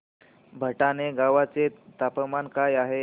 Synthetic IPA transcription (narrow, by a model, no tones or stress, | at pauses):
bʱəʈaneɡaʋat͡set̪apəmankajaɦe